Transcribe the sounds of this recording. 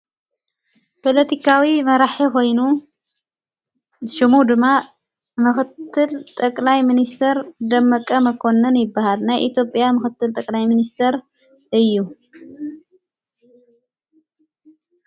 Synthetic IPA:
pʰolɐt̪ʰikʰawimɐɾaħikʰo̞jnu | ʃɨmud̪ɨmːa | mɨxɨt̪ʰːɨlt̪ʼɐkʼlajminist̪ʰɐɾd̪ɐmːɐkʼɐmɐkʰo̞nːɐnjɪbːahalnajʔit̪ʰjo̞pʼjamɨxɨt̪ʰːɨlt̪ʼɐkʼlajminist̪ʰɐɾ | ʔɨjːu

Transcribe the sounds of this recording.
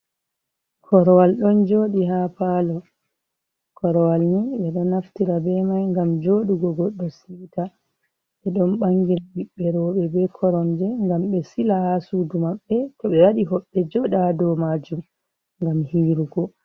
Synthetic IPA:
kʰɔɾɔwalɗɔnd͡ʒoːɗiɦapalɔ | kʰɔɾɔwalniɓɛɗɔnaftiɾabɛmajŋɡamd͡ʒoɗuɡɔɡɔɗːɔsiːta | ɓɛɗɔnɓaŋɡiɾabiɓːɛɾɔɓɛbɛkʰɔɾɔnd͡ʒɛŋɡamɓɛsilahasuːdumaɓːɛtɔɓɛwaɗiɦɔɓːɛd͡ʒɔɗadɔmad͡ʒum | ŋɡamhiːɾuɡɔ

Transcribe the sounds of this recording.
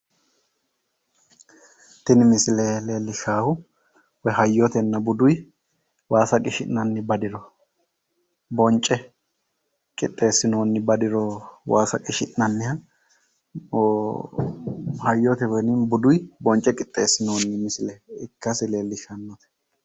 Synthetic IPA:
t̪ɪnɪmɪsɪlɛle̞ːlːɪʃaːhʊ | wɔɦɐjːɔt̪ɛnːɐbʊd̪ʊj | waːsɐkʼɪʃɪnːɐnːɪbɐd̪ɪɾɔ | bɔnt͡ʃʼːɛ | kʼɪt̪ʼːe̞ːsːɪno̞ːnːɪbɐd̪ɪɾɔwaːsɐkʼɪʃɪnːɐnːɪhɐ | hɐjːɔt̪ɛwɔnɪnbʊd̪ʊjbɔnt͡ʃʼːɛkʼɪt̪ʼːe̞ːsːɪno̞ːnːɪmɪsɪlɛɪkːɐsɪle̞ːlːɪʃɐnːɔt̪ɛ̥

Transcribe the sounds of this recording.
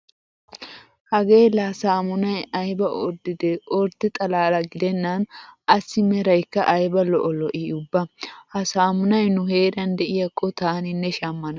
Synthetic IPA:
hɐɡe̞ːlasaːmʊnɐjɐjbɐɔɾd̪ɪd̪ɛʔɔɾt̪ːɪt̪ʼɐlaːlɐɡɪd̪ɛnːanʔɐsːɪmɛɾɐjkːɐʔɐjbɐlɔʔɔlɔʔiːʊbːɐhɐsaːmʊnɐjnʊhe̞ːɾɐnd̪ɛʔɪjɐkʼːɔt̪aːnɪnːɛʃɐmːɐnɐ

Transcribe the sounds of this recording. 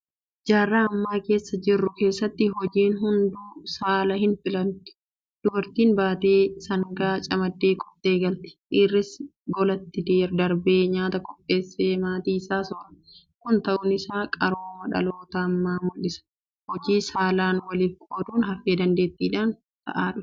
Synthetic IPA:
d͡ʒaːrːaːɐmːaːke̞ːsːɐd͡ʒɪrːʊke̞ːsːɐt̪ːɪɦɔd͡ʒiːnɦʊnd̪uːsaːlɐhɪnfɪlɐnt̪ʊ̥ | d̪̥ʊbɐɾt̪iːnbaːt̪e̞ːsɐŋɡaːt͡ʃʼɐmɐd̪ːe̞ːkʼɔ̥t̪ːeːɡɐlt̪ɪ̥iːrːɪsɡɔlɐt̪ːɪd̪eːɾd̪ɐɾbeːɲaːt̪ɐkʼɔpʼːe̞ːsːeːmaːt̪iːɪsaːsɔɾɐ̥ | kʊnt̪ɐʔʊnɪsaːkʼɐɾoːmɐᶑɐ̰lo̞ːt̪ɐɐmːaːmʊᶑɪsɐ̥ | hɔd͡ʒiːsaːlaːnwɐlɪfkʼoːd̪uːnɦɐfeːd̪ɐnd̪e̞ːt̪ːiːᶑaːn | t̪ɐ̰ʔaːᶑʊ

